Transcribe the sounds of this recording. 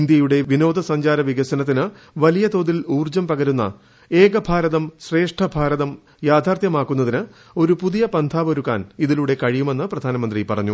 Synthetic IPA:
ind̪jɐjuɽe̞ʋino̞ːd̪ɐsɐɲd͡ʑaːɾɐʋiɡɐɕɐnɐt̪ːinɨ | ʋɐlijɐt̪o̞ːðiluːrd͡ʑɐmpɐɣɐɾunːɐ̰ | eːɡɐbʱaːɾɐðɐmɕre̞ːʂʈʰɐbʱaːɾɐðɐm | jaːd̪ʱaːrt̪jɐmaːkːunːɐðinɨ | o̞ɾupuðijɐpɐnd̪ʱaːʋoɾukːa̰ːniðiluːɽe̞kɐɻijume̞nːɨprɐd̪ʱaːnɐmɐnd̪ripɐrɐɲːu

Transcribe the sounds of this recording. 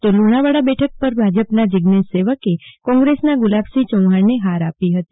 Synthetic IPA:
t̪oluñaʋaɽabɛʈʰək̚pəɾbʱad͡ʒəpnad͡ʒɪɡnesːeʋəkekɔ̃ŋɡɾesnaɡʊlabsit͡ʃə̃w̃ɦaɽneɦaɾapiɦət̪i

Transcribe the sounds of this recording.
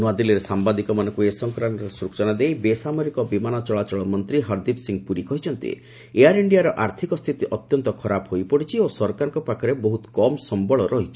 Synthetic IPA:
nuad̪iliɾesambad̪ikɔmanɔŋkuesɔŋkɾaɳʈɔɾesɾukt͡ʃɔnad̪ejbesamɔɾikɔbimanɔt͡ʃɔɭat͡ʃɔɭɔmɔnt̪ɾiɦɔɾd̪ibsiŋpuɾikɔɦit͡ʃʰɔnt̪ḭ | eaɾiɳɖijaɾɔʔaɾt̪ʰikɔst̪ʰit̪iʔɔt̪jɔnt̪ɔkʰɔɾapɦojpɔɽit͡ʃʰiosɔɾkaɾɔŋkɔpakʰɔɾeboɦut̪kɔmsɔmbɔɭɔɾɔɦit͡ʃʰi̥

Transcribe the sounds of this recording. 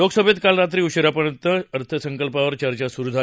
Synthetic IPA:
oɡsəbʱet̪kalɾat̪ɾiːuɕəɾapəɾjənt̪əəɾt̪ʰəsəŋkəlpaʋəɾt͡ɕəɾt͡ɕasuɾud̪ʱa

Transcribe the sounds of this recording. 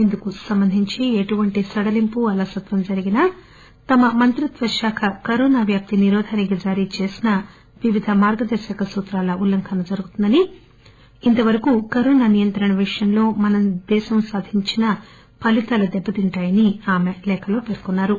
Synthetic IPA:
end̪ukusɐmbɐnd̪ʱiɲt͡ʃieʈuʋɐɳʈisɐɽɐlimpuɐlɐsɐt̪ʋɐmd͡ʒɐɾiɡinɐ | t̪ɐmɐmɐnt̪ɾut̪ʋɐʃaːkʰɐkɐɾɔːnaːʋjaːp̚t̪iniɾɔːd̪ʱɐːnɐɡɐd͡ʒaːɾit͡ʃe̞ːsinɐ | ʋiʋid̪ʱɐmaːɾɡɐd̪ɐɾʃɐkɐsuːt̪ɾaːlɐʔulːɐŋkʰɐnɐd͡ʒɐɾuɡut̪und̪ɐniː | nt̪ɐʋɐɾɐkukɐɾɔːnaːnijɐnt̪ɾɐɳɐʋiʂɐjɐmlo̞ːmɐnɐmd̪ɛːʃɐmsaːd̪ʱiɲt͡ʃinɐ | pɐlit̪ɐlɐd̪ɛbːɐt̪iɳʈaːjɐniaːmelɛːkʰɐlo̞ːpeːɾkunːaːɾu

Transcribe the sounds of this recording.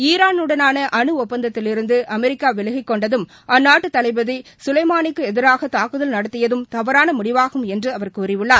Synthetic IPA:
iːɾaːnɯɽɐnaːnɐʔɐɳɯɔpːɐnd̪ɐt̪ːɪlɪɾɯnd̪ɯʔɐmɛɾɪkːaːʋɛlɐɣɪkːɔɳɖɐðɯm | ɐnːaːʈːɯt̪ːɐlɐɪbɐðisʊlɐɪmaːnɪkːɯɛðɪɾaːɣɐt̪aːkɯðɐlnɐɽɐt̪ːɪjɐðɯmt̪ɐʋɐɾaːnɐmʊɽɪʋaːɣɯmɛndrɯɐʋɐɾkuːɾɪʋɯɭːaːɾ

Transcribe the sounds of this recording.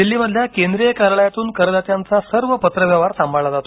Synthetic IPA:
d̪ilːiːməd̪ʱjakend̪ɾijəkaɾɭajat̪uːnkəɾəd̪at̪jant͡sasəɾʋəpət̪ɾəʋjaʋaɾsambʱaɭad͡zat̪o

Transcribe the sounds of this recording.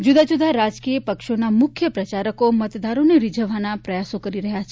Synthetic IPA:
d͡ʒud̪ad͡ʒud̪ʱaɾad͡ʒkijəpəkʃonamʊkʰjəpɾət͡ʃaɾəkomət̪d̪aɾoneɾid͡ʒʱəʋanapɾəjasokəɾiɾəɦjat͡ʃʰe

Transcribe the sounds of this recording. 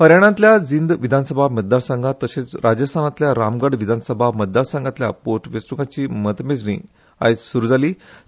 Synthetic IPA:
ɦəɾjaɽ̃ãnt̪lʲjad͡zind̪ʋid̪ʱansəbʱamət̪̚d̪aɾsãŋɡʱat̪əɕet͡sɾad͡ʑəst̪ʰanat̪ljaɾamɡəɽʋid̪ʱanəsəbʱamət̪̚d̪aɾsãŋɡat̪lʲja̰poɾʈʰʋesɾuŋɡat͡ɕiːmət̪med͡zɳḭː | a̰jt͡ssuɾud͡zʱaliː

